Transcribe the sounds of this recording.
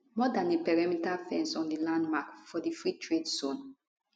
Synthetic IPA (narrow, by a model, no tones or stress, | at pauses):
mɔdãnepɛɹamitafɛ̃nsɔ̃ndilãndmakfɔdifɹitɹedsõn